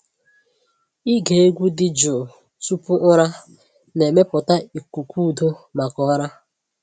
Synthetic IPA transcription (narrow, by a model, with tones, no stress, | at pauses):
i˦ɡe˨e˦ɡʷu˦dɪ˨d͡ʒʊ˨ | tu˦pʊ˦ʔʊ˦ɾa˦ | ne˨me˦pʊ˨ta˦i˨kʷu˨kʰʷu˦˨do˦ma˨kʊ˨˦ɾa˦